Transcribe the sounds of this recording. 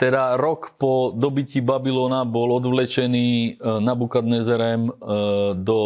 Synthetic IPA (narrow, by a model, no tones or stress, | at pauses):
t̪ɛd̪aɾɔkpɔd̪ɔbicibabilɔːnabɔlɔd̪ʋlɛt͡ʃɛniːnabukad̪nɛzɛɾɛm | d̪ɔ